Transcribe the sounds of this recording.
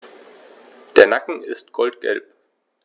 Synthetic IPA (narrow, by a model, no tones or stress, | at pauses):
d̥eːɐnakŋ̩ɪ̰stɡ̥ɔltɡ̥ɛ̰lp